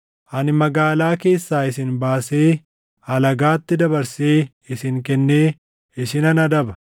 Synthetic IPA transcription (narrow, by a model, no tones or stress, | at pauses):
ʔɐnɪmɐɡaːlaːke̞ːsːaːɪsɪnbaːse̞ː | ɐlɐɡaːt̪ːɪd̪ɐbɐɾse̞ː | ɪsɪŋkɛnːe̞ː | ɪsɪnɐnɐd̪ɐbɐ̥